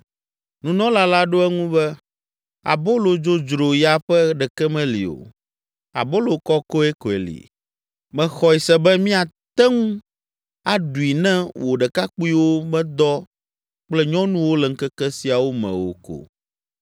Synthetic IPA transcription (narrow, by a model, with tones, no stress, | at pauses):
nũ˨nɔ̃˦la˦la˦ɖo˦ɛ˦ŋũ˦bɛ˦ | a̰˨bo˦lo˨d͡ʒo˦d͡ʒɾo˨ja˨ɸɛ˦ɖɛ˨kɛ˦mɛ̃˦lḭ˨o̰˨ | a̰˨bo˦lo˨kɔ˦ko˦ɛ˦ko˨ḛ˨lḭ˨ | mɛ̃˨xɔ˨i˨sɛ˦bɛ˦mĩ˦a˨t̪ɛ˦ŋũ˦ | a˨ɖu˨i˨nɛ̃˦wo˨ɖɛ˨ka˦k͡pu˦i˦wo˦mɛ̃˦d̪ɔ˦ | k͡plɛ˦ɲɔ̃˦nũ˦wo˦lɛ˨ŋ̩˦kɛ˦kɛ˦si˨a˨wo˦mɛ̰̃˨wo̰˨ko̰˨